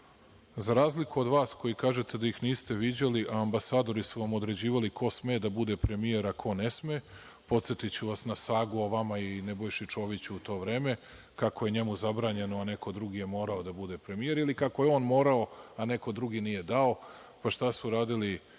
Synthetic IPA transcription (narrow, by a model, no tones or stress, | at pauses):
zaɾaːzlikuo̞d̪ʋaːsko̞jikaːʒe̞t̪e̞d̪ajixniːst̪e̞ʋid͡ʑeliʔaːmbasaːd̪o̞ɾisuʋamo̞d̪ɾe̞d͡ʑiːʋalikʰo̞smeːd̪abud̪e̞pɾe̞mije̞ɾakʰo̞ne̞smeː | po̞t̪set̪it͡ɕuʋasnasaːɡuoʋamaine̞bo̞jʃit͡ʃo̞ːʋit͡ɕuut̪o̞ːʋɾe̞ːme̞ | kako̞je̞ɲemuzabɾaːɲe̞noane̞ko̞d̪ɾuɡije̞mo̞ːɾaod̪abud̪e̞pɾe̞mije̞ɾilikako̞je̞o̞ːnmo̞ːɾao̞ane̞ko̞d̪ɾuɡinije̞d̪ao̞ | paʃt̪asuɾaːd̪ili